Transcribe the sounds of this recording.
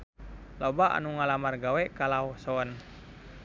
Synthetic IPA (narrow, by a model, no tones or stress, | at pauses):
lɔbaʔa̰nuŋalamarɡawɛkalawsɔən